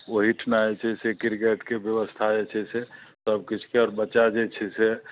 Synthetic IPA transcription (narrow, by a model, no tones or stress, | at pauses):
oɦiʈʰnaet͡ʃʰɛsekiɾkeʈkebjəʋəst̪ʰad͡ʒet͡ʃʰɛsesəb̚kit͡ʃʰkeɔːɾbəːt͡ʃad͡ʒet͡ʃʰɛse